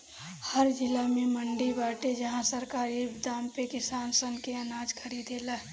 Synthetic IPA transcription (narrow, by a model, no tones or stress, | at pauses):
həɾd͡ʒɪlamẽməɳɖibaːʈed͡ʒɐɦãsəɾkaːɾibd̪aːmpekɪsaːnsənkeɐnaːd͡ʒkʰəɾiːd̪ʱeːlaː